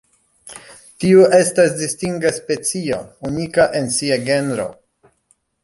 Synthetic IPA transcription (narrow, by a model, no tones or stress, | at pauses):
tiuʔe̞stasdistiŋɡaspe̞t͡sio̞̰unikaʔe̞nsiaɡe̞nɾo̞̰